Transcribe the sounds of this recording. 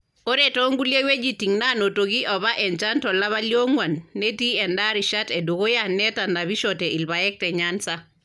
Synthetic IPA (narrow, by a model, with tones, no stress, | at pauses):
o˦ɾetɔ˦ŋɡu˦lje˦we˦d͡ʒi˦ti˨ŋna˦no˨to˨ɡi˦ʔɔ˨βa˦ʔɛ˨nt͡ʃa˦ntɔ˨la˦βa˦ljo˦ŋwa˨nːe˦ti˦ɛ˨nda˦ɾi˨ʃa˦tɛ˨do˨ɡo˦ja˦nːɛ˦ta˨nda˨βi˦ʃɔtɛ˨i˨lba˨jɛ˦k̚tɛ˨ɲansa˦